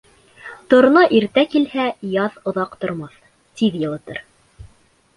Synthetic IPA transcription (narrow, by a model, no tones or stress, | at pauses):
t̪ŏɾnɤʔiɾt̪ækilhæjɑðŏðɑqt̪ŏɾmɑθ | t̪iðjɤ̆lˠɤ̆t̪ɤ̰ɾ